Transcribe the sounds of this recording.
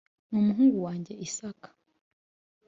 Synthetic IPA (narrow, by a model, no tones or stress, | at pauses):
numuɦuːŋɡuwaːɲɟe̞ʔisakḁ